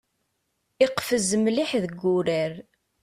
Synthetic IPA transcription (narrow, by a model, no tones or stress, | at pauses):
ɪqfəzəmliħðəɡːʊɾəɾ